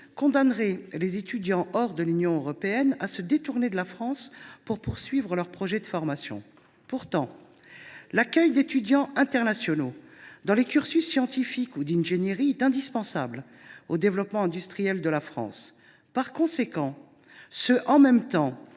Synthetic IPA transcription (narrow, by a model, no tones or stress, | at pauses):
kɔ̃d̪anʁɛlezet̪yd̪jɑ̃ʔɔʁd̪əlynjɔ̃øʁɔpeɛnasəd̪et̪uʁned̪əlafχɑ̃spuʁpuʁsɥivʁəlœʁpχɔʒɛd̪əfɔʁmasjɔ̰̃ | puʁt̪ɑ̃ | lakʲœjd̪et̪yd̪jɑ̃ɛ̃t̪ɛʁnasjɔnod̪ɑ̃lekʲyʁsysːjɑ̃t̪ifikud̪ɛ̃nʒenjeʁiɛt̪ɛ̃d̪ispɑ̃sa̰bl | od̪evlɔpmɑ̃ɛ̃d̪yst̪χijɛld̪əlafχɑ̰̃s | paʁkɔ̃sekɑ̃ | səʔɑ̃mɛmt̪ɑ̃